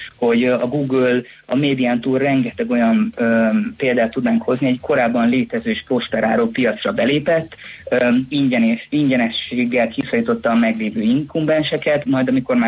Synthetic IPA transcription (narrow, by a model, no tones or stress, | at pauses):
ho̞ɟɒɡuːɡøl | ɒ̰meːd̪iant̪uːrrɛŋɡɛt̪ɛɡo̞jɒnøpeːld̪aːt̪ːud̪naːŋkho̞zniɛɟko̞ɾaːbːɒnleːt̪ɛzøːeʃpo̞st̪ɛɾa̰ːɾoːpijɒt̪srɒbɛleːpɛt̪ː | iɲɟɛnʃiɲɟɛnɛʃeːɡːɛlkisɒlit̪o̞t̪ːɒːmɛɡleːvøːiŋkumbɛnʃɛkɛt̪mɒjd̪ɒmiko̞rmaː